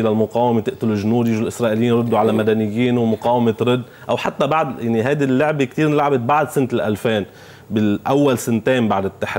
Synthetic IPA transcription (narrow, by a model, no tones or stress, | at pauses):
ʔɪlalmʊqɑːwamet̪ɪʔt̪ʊluʒnuːd̪jɪʒulʔɪsɾˤɑːʔɪlɪjiːnɾˤʊd̪ːuʕalamad̪anɪjːiːnwmʊqɑːwamet̪ɾʊd̪ːʔawħat̪ːabaʕd̪jaʕniɦajd̪ilːʊʕbekt̪iːɾnlaʕbɪt̪̚baʕd̪sɪnt̪ɪlʔalfeːn | bɪʔawːalsɪnt̪eːmbaʕd̪ɪt̪ːaħ